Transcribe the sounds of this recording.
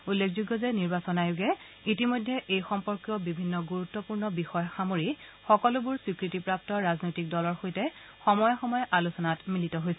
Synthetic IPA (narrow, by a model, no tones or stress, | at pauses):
ulːekʰzuɡːɔzɛniɹbasɔnajʊɡɛ | itimojdʱːɛʔejxɔmpɔɹkjɔbibʱinːɔɡuɹutːɔpuɹnɔbixɔjɔxamoɹixɔkɔlʊbʊɹswikɹitipɹap̚tɔɹaznojtik̚dɔlɔɹxojtɛ | xɔmɔjɔxɔmɔjɔʔalusɔnatmilitɔɦojsɛ